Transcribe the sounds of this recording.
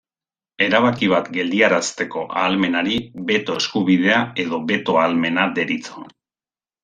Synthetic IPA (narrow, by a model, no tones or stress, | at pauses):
e̞ɾaβakiβ̞at̪ɡe̞ld̪iaɾast̪e̞ko̞ʔaːlme̞naɾiβe̞t̪o̞eskuβiðe̞ae̞ðo̞βe̞t̪o̞alme̞nad̪e̞ɾit͡so